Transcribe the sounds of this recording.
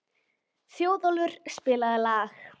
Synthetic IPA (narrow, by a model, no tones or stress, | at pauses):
θjoːwðɔlvʏɾ̥spɪːlaðɪlaːx